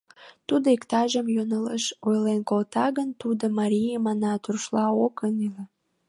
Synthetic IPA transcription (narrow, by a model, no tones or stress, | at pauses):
t̪ud̪oekt̪ɑʒəmjonələʃojlenkolt̪ɑɣənt̪ud̪omɑɾʲijemɑnɑt̪urʃlɑokənile